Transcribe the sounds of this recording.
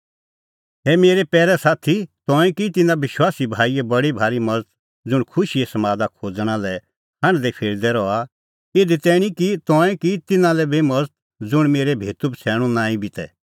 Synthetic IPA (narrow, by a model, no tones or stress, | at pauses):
ɦɛmeːɾepɛːɾɛsaːt̪ʰit̪ɔ̃ːɛ̃kit̪ɪnãʋɪʃwaːsibʱaːiɛbɐɽibʱaːɾimɐd͡zət̪̚ | d͡zʊɽ̃kʰʊʃiesɐmaːd̪akʰoːd͡zɽ̃ãlɛ | ɦɐ̃ñd̪ɛpʰeːɾd̪ɛɾɔa | eːd̪it̪ɛːɽ̃ĩkit̪ɔ̃ːɛ̃kit̪ɪnãlɛbemɐd͡zət̪̚ | d͡zʊɽ̃meːɾɛbʱeːt̪ubt͡sʰɛːɽ̃ũnãːĩbɪt̪ɛ